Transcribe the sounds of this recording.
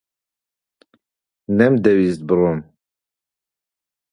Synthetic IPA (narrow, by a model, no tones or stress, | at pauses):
nɛmd̪ɛwist̪̚bɨron